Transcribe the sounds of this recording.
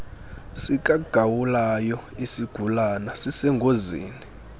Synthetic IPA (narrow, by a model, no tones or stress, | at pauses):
sik̬ʼaɡ̥ʱawulajɔisiɡ̥ʱulanasisɛŋɡʱozḭːni